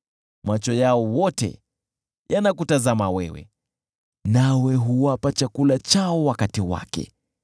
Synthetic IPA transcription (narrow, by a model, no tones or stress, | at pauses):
mat͡ʃɔjaɔwɔtɛ̰ | janakutazamawɛwɛ̰ | nawɛɦuwapat͡ʃakulat͡ʃaɔwakatiwa̰kɛ̰